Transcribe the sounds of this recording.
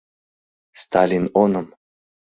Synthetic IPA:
st̪ʰalʲinonəm

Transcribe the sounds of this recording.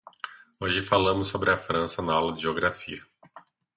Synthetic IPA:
oʒɪfalɐ̃mʊsːobɾɪɐfɾɐ̃sɐnɐawlɐʒioɡɾafḭɐ

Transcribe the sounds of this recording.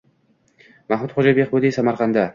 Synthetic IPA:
mahmʊt̪χod͡ʒabeqbod̪isamaɾqʰɑnd̪a

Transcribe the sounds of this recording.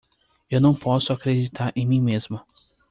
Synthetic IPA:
ewnɐ̃w̃pɔsʊakɾed͡ʒit̪ʰaɾḛ̃j̃mĩmezmʊ

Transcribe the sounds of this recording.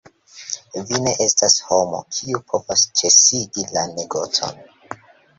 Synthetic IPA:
vine̞ʔe̞stashomo̞̰kʰiupʰo̞vast͡ʃe̞siɡilane̞ɡo̞t͡so̞̰n

